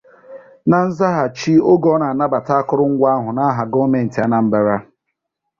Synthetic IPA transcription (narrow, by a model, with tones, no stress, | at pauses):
na˨n̩˦za˦ɦa˨t͡ʃi˦o˦ɡɔ˦na˨a˨na˦ba˨ta˦a˦kʊ˦ɾʊ˦ŋ̩˦ɡʷa˦a˦ɦʊ˨na˦a˦ɦa˨ɡo˦me˨n̩˨ta˦na˨m̩˦ba˨ɾa˦